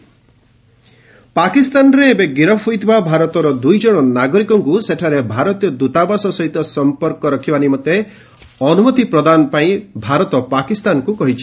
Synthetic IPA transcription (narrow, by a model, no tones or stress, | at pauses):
pakist̪anɾeːbeɡiɾɔpʰujt̪ʰibabʱaɾɔt̪ɔɾɔd̪ujd͡ʒɔɽ̃ɔnaɡɔɾikɔŋkuseʈʰaɾebʱaɾɔt̪ijɔd̪ut̪abɔsɔsɔɦit̪ɔsɔmpɔɾkɔɾɔkʰibanimɔt̪e | ɔnumɔt̪ipɾɔd̪anɔpaĩbʱaɾɔt̪ɔpakist̪anɔkukɔɦit͡ʃʰi̥